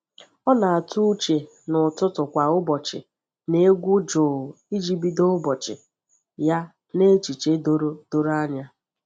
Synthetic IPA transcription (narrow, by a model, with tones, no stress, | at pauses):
ɔ˦na˨a˨tu˦t͡ʃe˨ | nʊ˨tʊ˦tʊ˨kʷa˨ʊ˦bɔ˨t͡ʃɪ̰˨ | ne˦ɡʷu˦d͡ʒoː˨ | i˦d͡ʒi˦bi˦do˦ʊ˦bɔ˨t͡ʃɪ̰˨ | ja˦ | ne˦t͡ʃi˨t͡ʃe˦do˦ɾo˦d̥o˦ɾa˦ɲa˦